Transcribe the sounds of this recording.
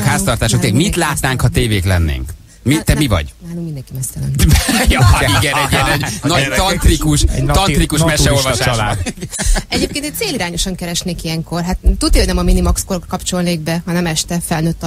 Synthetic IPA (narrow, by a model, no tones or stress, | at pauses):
khaːst̪ɒrt̪aːʃokt̪elɛmit̪laːt̪naːŋkhɒt̪eːveːklɛnːḛːŋk | mit̪ɛmivɒ̰ɟnaːluŋmind̪ɛŋkimɛst̪ɛlɛnjiɡɛniɡɛnɛɟnɒɟt̪ɒnt̪rikuʃt̪ɒnt̪rikuʃmɛʃɛolvɒʃaː | ɛɟeːpkeːnt̪ɛc̚t̪seːliɾaːɲo̞ʃɒŋkɛɾɛʃneːkiɛŋko̞rɦat̪ːud̪ikːoɟnɛmɒminimɒkskorkkɒpt͡ʃo̞lneːɡ̚bɛɦɒnɛmɛʃt̪ɛfɛlnøːt̪ː